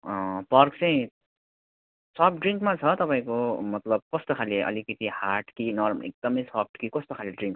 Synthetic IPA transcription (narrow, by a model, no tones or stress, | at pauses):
pʌrkt͡sʌĩ | sʌpʰɖriŋkmat͡sʰʌt̪ʌpaĩkomʌt̪lʌb̚kʌst̪okʰaliʔʌ̰likʌt̪ihaʈkinʌrmʌ̰ḛk̚d̪ʌmʌjsap̚ʰʈkikʌst̪okʰaliɖriŋk